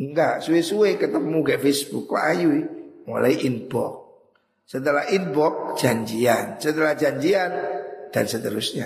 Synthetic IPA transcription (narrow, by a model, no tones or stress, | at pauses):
ŋɡaʔsuesuwekət̪əmuɡaʔfesb̥ukːɔ̰ʔajuimo̰laiʔinb̥ɔ̰k̚ | sət̪əlahinbɔk̚d͡ʒ̥aɲd͡ʒiansət̪əlahd͡ʒaɲd͡ʒiand̥ansət̪əɾusɲa